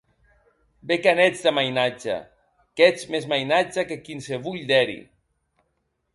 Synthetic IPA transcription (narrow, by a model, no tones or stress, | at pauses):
bekanɛd͡zd̪amajnad͡ʒa̰ | kɛt͡smezmajnad͡ʒakekinseβuʎd̪ɛɾḭ